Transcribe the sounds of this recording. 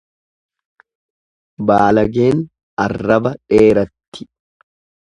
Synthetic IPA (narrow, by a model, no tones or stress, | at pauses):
baːlɐɡeːn | ɐrːɐbɐᶑe̞ːɾɐt̪ːɪ̥